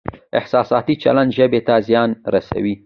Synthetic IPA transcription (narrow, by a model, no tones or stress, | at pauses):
ɪ̰hsɑsɑt̪it͡ʃa̰land̪ʒəbet̪azjɑnɾasa̰wi